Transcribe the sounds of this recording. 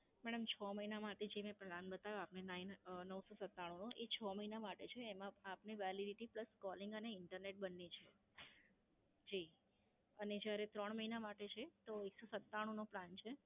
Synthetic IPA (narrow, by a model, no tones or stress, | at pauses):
mɛɽəmt͡ʃʰɔməinamaʈed͡ʒemẽplãnbət̪aʋoapnenainnəʋsɔsət̪ːaɽ̃ũnoʔet͡ʃʰɔməɦinamaʈet͡ʃʰeːmãapneʋɛliɖiʈipləskɔlɪŋɡəneɪɳʈəɾneʈ̚bənːet͡ʃʰe | d͡ʒi | əned͡ʒjaɾet̪ɾəɳ̃məɦinamaʈet͡ʃʰet̪oeksosət̪ːaɽ̃ũnoplant͡ʃʰe